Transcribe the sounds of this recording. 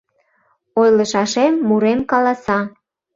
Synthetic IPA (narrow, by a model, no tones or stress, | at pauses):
ojləʃɑʃemːuɾemkɑlɑsɑ